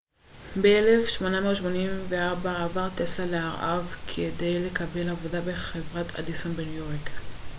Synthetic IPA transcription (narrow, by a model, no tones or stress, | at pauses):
beele̞fʃmo̞nameoʃmo̞nimveaʁbaabaʁt̪eslaleaʁʔavkʰede̞jle̞kabe̞lavo̞dabe̞χevʁat̪ʰa̰disonbenujo̞ʁk